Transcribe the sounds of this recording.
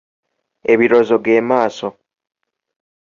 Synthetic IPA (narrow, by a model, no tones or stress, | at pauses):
eβiɾozoɡe̞ːmaːso